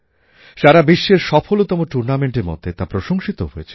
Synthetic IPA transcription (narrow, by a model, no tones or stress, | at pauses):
ʃaɾabiʃːeɾʃɔpʰolot̪ɔmoʈuɾnameɳʈeɾmo̰d̪ʱːet̪apɾoʃoŋʃit̪oɦojet͡ɕʰe̥